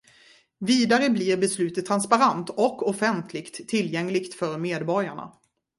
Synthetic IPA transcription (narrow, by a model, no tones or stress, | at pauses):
viːd̪aɾəblɪɾbɛslʉ̟ːt̪ət̪ʰːɾanspaɾant̪ɔkːɔfɛnt̪ʰlɪkt̪ʰːɪlːjɛŋlɪkt̪fœɾmeːd̪bɔɾjaɳa̰